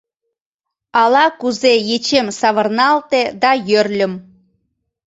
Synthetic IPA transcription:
ɑlɑkuzejet͡ɕemsɑβərnɑlt̪ed̪ɑjørlʲəm

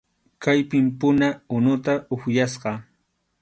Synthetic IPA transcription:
kajpɪmpʊnaʊnʊt̪aʊxjasɢɑ

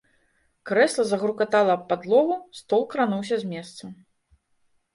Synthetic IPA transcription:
kɾɛslˠɐzɐɣɾukat̪alˠɐːpːad̪lˠɔɣust̪ɔlˠkɾanuwsʲɐzʲmʲɛst̪sɐ

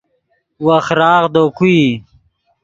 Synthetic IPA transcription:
wɐxɾaːɣd̪oːkui

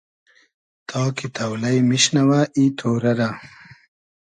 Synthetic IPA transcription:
t̪ʰɑːkit̪ɐwlɐjmiɕnɐwaʔit̪ʰoːɾɐɾa

